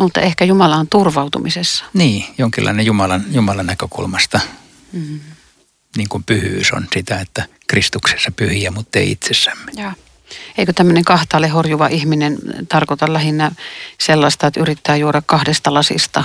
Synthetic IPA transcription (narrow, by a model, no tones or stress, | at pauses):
mut̪ːɑ̰ehkæjumɑlɑnt̪urʋɑut̪ṵmisesːɑ̥niːjoŋkilːʔɑ̰inejumɑlɑnjumɑlɑnːækøkṵlmɑst̪ɑ | niːŋkumpyhyːso̰nsit̪æet̪ːæ | krist̪ukse̥sːɑpyhiæmut̪ːḛiḭt̪sesːæmːe̥jɑː | eikøt̪æmːøneŋkɑht̪ɑːlːehorjuʋɑʔihminent̪ɑrkot̪ɑllæhinːæselːɑst̪ɑet̪yrit̪ːæːjuoɾɑkkɑhdest̪ɑlɑsḭst̪ɑ